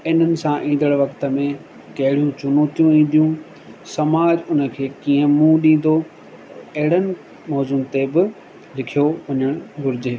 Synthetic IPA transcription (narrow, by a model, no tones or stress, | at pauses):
ɪn̤ənɪ̆sãʔĩːn̆d̪əɽʋɐkt̪ə̆mẽ | kɐɦɪɽijũt͡ɕʊnoːt̪ijũĩːn̆d̪ijũ | sɐmaːd͡ʑʊnə̆kʰeːkĩːə̃mũɗĩːn̆d̪o | ɐɦɪɽ̤ənɪ̆ | mɔːzʊmt̪ebɪ | lɪkʰijoʋɐɲəɽ̃ɡʱʊɾɪd͡ʑeː